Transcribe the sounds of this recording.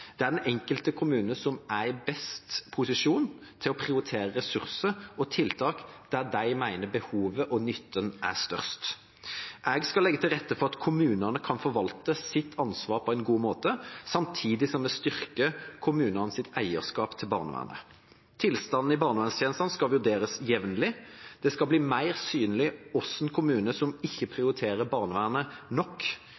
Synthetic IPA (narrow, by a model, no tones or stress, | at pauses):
d̪̥ɛæʁd̪ɛnɛŋkəlt̪əkʰʊmʉːnəsɔmæɪbɛst̪pʰʊsɪʂuːnt̪ʰɪlɔpʰʁɪʊɾɪt̪ʰeːʁəʁɛsʉʁsəɾɔt̪ʰɪlt̪ʰɑːkd̪̥æʁd̪æɪmæɪnəbəhuːʋəʔɔnʏt̪ʰːənʔæ̰ʁst̪œ̰ʁst̪ | ʔɛɡskɑlɛɡːət̪ʰɪlʁɛt̪ːəfɔʁɑt̪kʰʊmʉːnənəkʰɑnfɔɾʋɑlt̪əsɪt̪ʰːɑnsʋɑːʁpʰɔɛnɡuːmoːt̪əsɑmt̪ʰiːd̪ɪsɔmːɛst̪ʏʁkəkʰʊmʉːnənsɪt̪æɪəʁskɑːpt̪ʰɪlbɑ̰ːʁnəʋæ̰ːnə̰ | t̪ʰɪlst̪ɑn̩ɪbɑːʁnəʋænsjɛːnsɑnskɑlʋʉʁd̪eːɾəsjɛʋnəlɪd̪̥ɛskɑbliːmæɪʁsyːnəlɪɔsɛnkʰʊmʉːnəsɔmɪçːəpʰʁɪʊɾɪt̪ʰeːʁəbɑːʁnəʋæːnənɔkː